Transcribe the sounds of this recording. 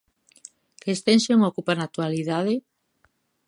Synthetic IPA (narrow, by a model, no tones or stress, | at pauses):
kest̪enseŋokupanat̪ualiðaðe